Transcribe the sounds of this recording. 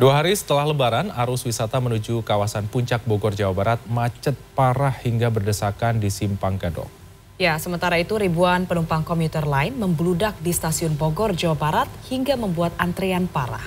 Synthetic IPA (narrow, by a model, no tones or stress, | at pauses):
duaɦaɾisə̥t̪əlahləbaɾanaɾʊswisat̪amənud͡ʒukawasanpuɲt͡ʃak̚bɔɡɔrd͡ʒawabaɾat̪̚mat͡ʃət̪̚paɾahhiŋɡabərdəsakandisimpaŋkadɔ̰k̚ | jasəmənt̪aɾait̪uɾibuanpənumpaŋkɔmjut̪ərlaɪnməmbludak̚dist̪asiʊnboɡɔrd͡ʒawabaɾat̪̚hiŋɡaməmbuat̪̚ant̪ɾeanpaɾa̰h